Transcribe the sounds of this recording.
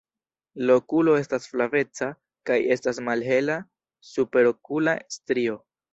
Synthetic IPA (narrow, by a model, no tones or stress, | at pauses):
lo̞kulo̞e̞stasflave̞t͡sa | kaje̞stasmalɦe̞la | supe̞ɾokula̰stɾio̞